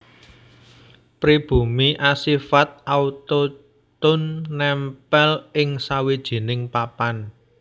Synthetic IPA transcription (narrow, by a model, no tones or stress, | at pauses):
pɾib̥ṳmiʔasifat̪̚aut̪o | t̪ʊnːɛmpɛlɪŋsawid̥ʒ̥i̤nɪŋpapan